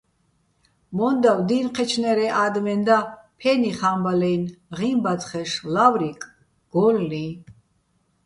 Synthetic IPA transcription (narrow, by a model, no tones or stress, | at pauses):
mɔnd̪awd̪inqʰɛt͡ʃʰnɛɾɛʔad̪mɛnd̪apʰɛniχambalɛjnʁimbat̪χɛʃlavɾikʼ | ɡ̥ɔlːi